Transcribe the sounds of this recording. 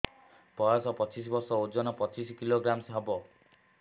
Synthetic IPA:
pɔjasɔpɔt͡ʃis̬ɔbɔɾsɔod͡ʒɔnɔpɔt͡ʃiskiloɡɾamsɦabɔ

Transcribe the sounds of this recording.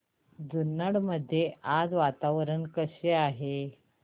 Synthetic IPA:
d͡zunːəɽməd̪ʱːjeʔad͡zʋat̪aʋɾənkəɕeaɦe

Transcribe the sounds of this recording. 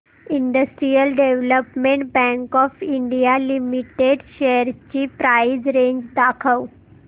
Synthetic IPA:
iɳɖəsʈɾijəlɖeʋləpmeɳʈ̚bæ̃ŋkɔfiɳɖijalimiʈeɖɕeəɾt͡ɕiːpɾajd͡zɾeɲd͡ʑd̪akʰəw

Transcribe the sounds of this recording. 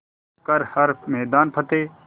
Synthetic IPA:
kəɾhəɾmɛːd̪aːnpʰət̪eː

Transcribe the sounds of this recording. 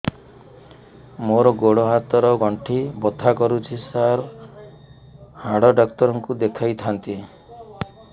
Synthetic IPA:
moɾɔɡoɽɔɦat̪ɔɾɔɡɔɳʈʰibɔt̪ʰakɔɾut͡ʃʰisaɾ | haɽɔɖɔk̚t̪ɔɾɔŋkud̪ekʰajt̪ʰant̪i

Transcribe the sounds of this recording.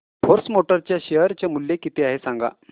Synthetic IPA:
foɾsmoʈəɾt͡ɕjaɕeɦəɾt͡ɕjamuljekit̪eaɦesãŋɡa̰

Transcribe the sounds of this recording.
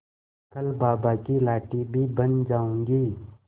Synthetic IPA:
kɐlbaːbakilaːʈibʱibənd͡ʒaːũːŋɡiː

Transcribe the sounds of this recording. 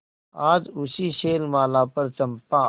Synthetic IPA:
aːd͡ʒʊsiʃeːlmaːlaːpɐɾt͡ʃɐmpãː

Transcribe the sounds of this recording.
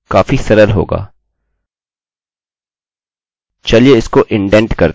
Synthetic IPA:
kaːfisɐɾəlɦo̰ːɡa̰ː | t͡ʃɐlieɪskoʔɪ̃ɳɖɛ̃ɳʈkɐɾ

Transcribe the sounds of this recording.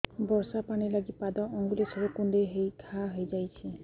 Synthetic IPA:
bɔɹsapanilaɡit̪̚pad̪ɔʔɔŋɡulisɔɾekund̪ejɦejkʰaɦojd͡ʒajsʰi

